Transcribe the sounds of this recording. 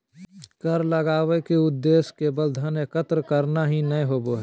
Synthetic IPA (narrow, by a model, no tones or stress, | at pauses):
kəɾləɡaːwekeʊd̪ːeːskebəld̪ʱənekət̪ɾəkəɾnaɦinəjɦoːboɦɛ